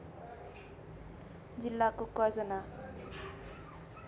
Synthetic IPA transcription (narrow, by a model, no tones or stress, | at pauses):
d͡zilːakokʌɾd͡zʌna